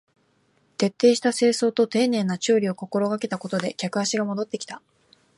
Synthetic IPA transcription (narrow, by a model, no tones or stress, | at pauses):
t̪e̞t̪ːe̞ːɕi̥t̪ase̞ːso̞ːt̪o̞t̪e̞ːnẽ̞nːat͡ɕoːɾʲio̞ko̞ko̞ɾo̞ɡake̞t̪ako̞t̪o̞d̪e̞kʲakɯ̟aɕiɡamo̞d̪o̞t̪ːe̞kʲi̥t̪a